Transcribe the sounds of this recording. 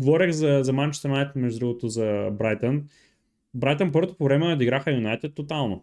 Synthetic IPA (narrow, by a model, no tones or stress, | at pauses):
ɡovɔɾʲəxzɐzɐmant͡ʃst̪ɾnajt̪mɛʒud̪ɾuɡot̪ozɐbɾajt̪ən | bɾajt̪ənpɤɾt̪opovɾɛmɛɐd̪iɡɾaxəɐjunajt̪ɛt̪ːot̪alˠno